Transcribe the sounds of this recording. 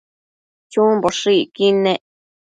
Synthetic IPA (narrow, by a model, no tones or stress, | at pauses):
t͡ʃũmboʂikinẽʔ